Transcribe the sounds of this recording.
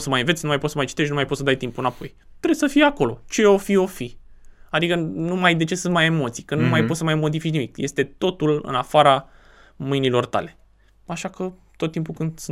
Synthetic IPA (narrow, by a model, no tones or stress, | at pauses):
səmajɨnvet̪sʲnumajposəmajt͡ʃi̥t̪e̞ʃnumajpot̪səd̪ajt̪impuɨnapo̞j | t̪ɾesəfijako̞lo̞̰t͡ʃe̞o̞fio̞fiad̪ikənumajd̪e̞t͡ʃe̞sɨnt̪̚maje̞mo̞t̪sijkənumajpot̪səmajmo̞d̪ifit͡ʃnimikje̞st̪e̞t̪o̞t̪ulɨ̰nafaɾa | mɨjnilo̞rt̪a̰le̞ | aʃakət̪ot̪ːimpukɨnd̪s